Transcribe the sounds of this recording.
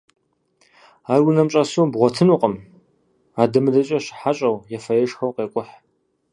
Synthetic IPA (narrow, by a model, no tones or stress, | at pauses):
aːrwʊnɐmt͡ʃʼɐsuːbʁʷɔtʰɨnuqʼəm | aːdɨmɨdɐt͡ʃʼɐɕɪ̥ħaɕʼɐwjɛfɐjɛʂxɐwqeːkʷʼʊħ